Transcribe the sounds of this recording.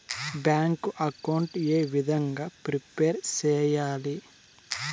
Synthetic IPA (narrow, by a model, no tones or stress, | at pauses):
bjaːŋkuʔɐkɐwɳʈeːʋid̪ʱɐŋɡaːpɾipeːɾt͡ʃɛːjaːli